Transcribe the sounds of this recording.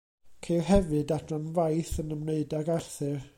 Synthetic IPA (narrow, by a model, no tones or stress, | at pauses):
kʰejlɦɛvɨdatranvajθənəmneɨdaɡarθɨr